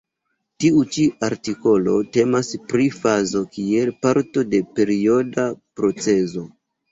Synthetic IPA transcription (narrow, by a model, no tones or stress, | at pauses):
tiut͡ʃiaɾtiko̞lo̞te̞maspɾifazo̞kie̞lpaɾto̞de̞pe̞ɾio̞dapɾo̞t͡se̞zo̞